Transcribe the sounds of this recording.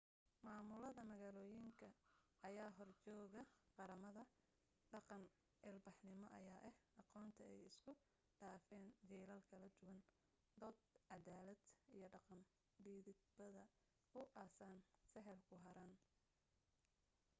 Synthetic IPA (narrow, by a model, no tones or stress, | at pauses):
maːmʊlɐðɐmɐɣaːlɔːjɪŋkʰɐːjaːɦɔrt͡ʃɔːɣɐqɑɾɐmɐðɐ | ɖɑqɑn | ʔɛlbɑħnɪmɔʔɐjaːʔɛhʔɑqɔːnt̪ʰɐɛjɪskʰʊ | ɖaːfɛːnd͡ʒɛːlɐlkʰɐlɐd̪ʊwɐn | d̪ɔːd̪̚ʕɑðaːlɐd̪ijɞɖɑqɑn | biːðɪd̪bɐðɐ | ʊʔaːsansɛɦɛlkʰʊɦɐɾaːn